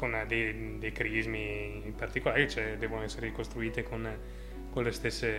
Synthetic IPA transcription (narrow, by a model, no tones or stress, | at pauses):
kond̪ejd̪ejkɾizmi | mpart̪ikolaːɾit͡ʃɛd̪ɛːvonoɛsːeɾeikost̪ɾuiːt̪ekon | konlest̪esːe